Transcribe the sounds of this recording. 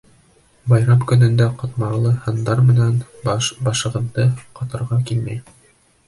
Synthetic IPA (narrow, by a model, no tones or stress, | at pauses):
bɑjɾɑmkɵ̆nɘ̆nd̪æqɤ̆t̪mɑlˠɤhɤ̆nd̪ɑɾmɘ̆nænbɑʃɤ̆ʁɤ̆nd̪ɤqɑt̪ɤ̆ɾʁɑkilmæ̰j